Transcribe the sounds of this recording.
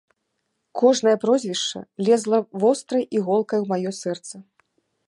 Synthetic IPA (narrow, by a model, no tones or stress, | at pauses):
kʰɔʐnɐjɐpɾɔzʲvʲiʂt͡ʂɐ̰lʲɛzlˠɐvɔst̪ɾɐjʔiɣɔlˠkɐjwmajɔsɛrt̪sɐ